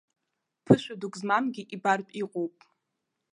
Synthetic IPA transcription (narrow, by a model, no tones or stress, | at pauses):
pʰɨʃʷᶣadukʼzmamɡʲiʔibarpʼiqʼowpʼ